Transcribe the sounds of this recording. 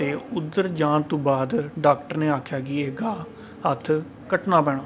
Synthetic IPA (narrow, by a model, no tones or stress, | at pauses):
t̪eːʊd̪əɾd͡ʒãːnt̪õːbaːd̪ɖaːk̚ʈəɾneːaːkʰjaːɡiːeɡaː | ɦət̪ʰ | kəʈnaːbɛːɽ̃aː